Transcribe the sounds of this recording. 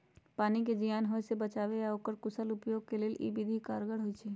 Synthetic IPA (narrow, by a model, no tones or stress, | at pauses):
paːnik̬ed͡ʒijaːnɦojsebət͡ʃaːʋejaokəɾkʊsəlʊpjoːɡ̚keleːlʔḭbid̪ʱikaːɾɡəɽɦojt͡ʃʰeː